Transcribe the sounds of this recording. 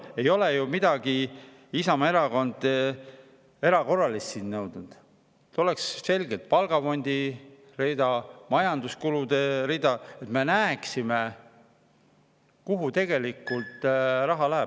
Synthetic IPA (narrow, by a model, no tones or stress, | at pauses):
e̞jo̞le̞jumid̪̥ɑɡi | isɑmɑe̞ɾɑko̞nd̪̥ | e̞ɾɑko̞rːɑlist̪siːnnɤwd̪̥nud̪̥ | t̪o̞le̞ksse̞lɡet̪̚pɑlɡɑfo̞nʲd̪̥i | rid̪ɑmɑjɑnd̪uskulud̪̥e̞ɾid̪ɑe̞t̪me̞næːeksime | kuɦut̪e̞ɡ̥e̞likːˑult̪ˑrɑɦɑlæɦe